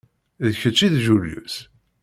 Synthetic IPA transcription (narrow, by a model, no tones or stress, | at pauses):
ðçət͡ʃːiðʒuljṵs